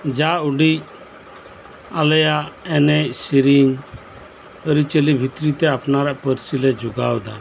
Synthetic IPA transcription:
d͡ʒauɖic | alɛjaʔɛnɛcsiɾiɲ | əɾit͡ʃəlibʱit̪ɾit̪ɛapnaɾaʔpəɾsilɛd͡ʒuɡawd̪a

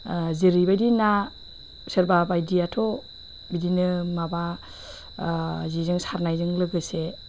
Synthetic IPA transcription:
ziɾibajdina | sɯɾbabajdijatʰo | bidinɯmaba | zizɯŋsaɾnajzɯŋlɯɡɯse

